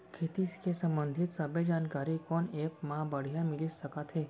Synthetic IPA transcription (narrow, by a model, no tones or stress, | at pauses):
kʰet̪iskesə̃mbənd̪ʱit̪səbed͡ʒankaɾikɔnepmãbəɽ̤ijamilisəkat̪ʰɦe